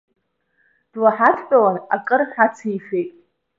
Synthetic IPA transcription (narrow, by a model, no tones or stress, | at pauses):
d̥laħatʰpʼawanakʼɨrħat͡sʰijfe̞jtʼ